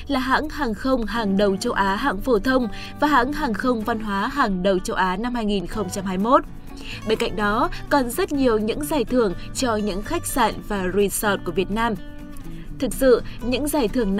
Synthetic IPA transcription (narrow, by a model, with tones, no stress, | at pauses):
laː˨˩ɦa̰ː˧˥ŋhaː˨˩ŋxə˧wŋ͡mɦaː˨˩ŋɗə˨˩wt͡ɕə˧wʔaː˨˦ɦa̰ː˧˥ŋfo˧˩t̪ʰə˧wŋ͡m | vaː˨˩ɦa̰ː˧˥ŋɦaː˨˩ŋxə˧wŋ͡mva˧nɦwaː˨˦ɦaː˨˩ŋɗə˨˩wt͡ɕə˧wʔaː˨˦na˧mhaː˧jŋi˨˩nxə˧wŋ͡mt͡ɕa˧mɦaː˧jmo˦˥t̚ | ɓe˧nka̰˧˨jŋ̟ɗɔ˨˦kɔ˨˩nzə˦˥t̚ɲi˨˩əwɲɨ̰˧˥ŋzaː˨˩jt̪ʰɨ˧˩əŋt͡ɕɔ˧ɲɨ̰˧˥ŋxa˦˥jk̟̚sa̰ː˧˨nvaː˨˩zwi˨˧˩nsɔ˨˩t̚ku˧˩əvi˨˩ət̚naː˧m | t̪ʰɨ˨˩k̚sɨ̰˧˨ɲɨ̰˧˥ŋzaː˨˩jt̪ʰɨ˧˩əŋn